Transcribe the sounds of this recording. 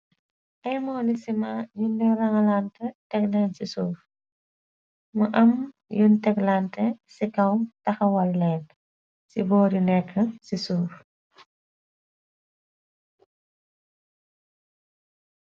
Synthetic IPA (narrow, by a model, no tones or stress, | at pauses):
ʔɐjmɔlisimajundɛrɐŋɐlantɐtɛk̚lɛnsisuːf | muʔɐm | juntɛklantɐsikɐwtɐxɐwɐlːɛːn | sibɔːdinɛkːəsisuːf